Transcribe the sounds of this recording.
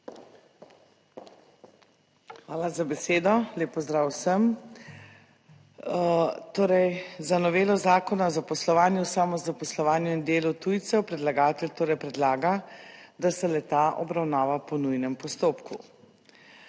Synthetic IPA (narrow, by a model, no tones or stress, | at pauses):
xʋaːlazabɛseːd̪ɔleːpɔzd̪ɾaːwsəm | t̪oːɾɛjzanɔʋeːlɔzaːkɔnaɔzapɔslɔʋaːnjusamɔzapɔslɔʋaːnjuind̪eːlut̪ujt̪sɛwpɾɛd̪laɡaːt̪ɛlt̪oːɾɛjpɾɛd̪laːɡad̪asɛlɛt̪aʔɔbɾawnaːʋapɔnujnɛmpɔst̪oːpku